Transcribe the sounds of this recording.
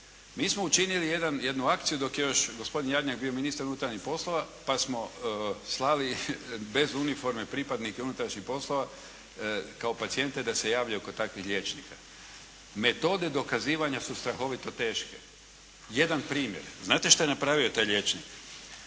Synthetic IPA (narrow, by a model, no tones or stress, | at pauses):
miːsmo̞ut͡ʃinilije̞d̪anje̞d̪nuakt̪sijud̪o̞kje̞jo̞ʃɡo̞spod̪injad̪ɲak̚bio̞minist̪aɾunut̪ɾaɾɲixpo̞slˠo̞ʋapasmo̞slˠalibe̞zunifo̞ɾmepɾipad̪nikeunut̪ɾaʃɲixpo̞slˠo̞ʋa | kao̞pat̪sie̞nt̪e̞d̪ase̞jaːʋʎaoko̞t̪akʋixʎʲe̞t͡ʃnika | me̞t̪o̞d̪e̞d̪o̞kaziːʋaɲasust̪ɾaxo̞ʋit̪o̞t̪e̞ːʃke | je̞d̪anpɾiːmje̞̰ɾznaːt̪eʃt̪ajenapɾaʋiot̪aːjlʎʲe̞t͡ʃnik